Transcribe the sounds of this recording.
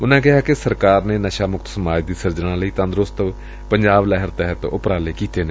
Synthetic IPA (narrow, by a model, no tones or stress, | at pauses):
ʊnãːkɪɦaːkɪsəɾkaːɾneːnəʃaːmʊkt̪səmaːd͡ʒd̪iːsəɾd͡ʒɽ̃ãːləiːt̪ə̃nd̪ɾost̪ | pəɲd͡ʒaːblɛɦəɾt̪ɛɦət̪ʊ̰pɾaːleːkiːt̪eːneː